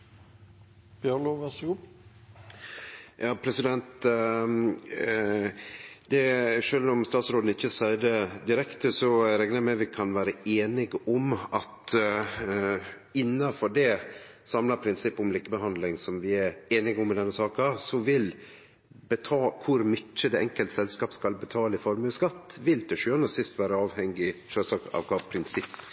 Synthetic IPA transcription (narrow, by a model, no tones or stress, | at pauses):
pjɑlʊʋæsɡʊ | jɑːpʰɾɛsɪd̪ɛnt̪ | d̪̥ɛʂøːlɔmst̪ɑːt̪sɾoːd̪n̩ɪçːəsæɪd̪əd̪ɪɾɛkt̪əsɔɾɛɡnəɾmɛʋɪkʰɑnʋæːɾəeːnɪɡɔmɑt̪ | ɪnːɑfɔɖɛ | sɑmlɑɾpʰɾɪnsɪpːʊmliːkəbəɦɑnd̪lɪŋsɔmʋɪæɾeːnɪɡʊmːɪd̪ɛnːəsɑːkɑsɔʋɪl | bət̪ʰɑkʰʊɾmʏtːəd̪ɛɛŋkəlt̪sɛlskɑːpskɑlbət̪ʰɑːləɪfɔɾmʉskɑt̪ːʋɪlt̪ʰɛʃʉːɑnəsɪst̪ʋæːɾəɑːʋhɛŋɡɪʃøːlsɑːkɑ̰ʋkʰɑpʰɾɪnsɪpː